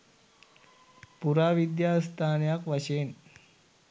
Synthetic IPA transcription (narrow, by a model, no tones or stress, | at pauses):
puɾaʋid̪jast̪ʰanjakʋəɕen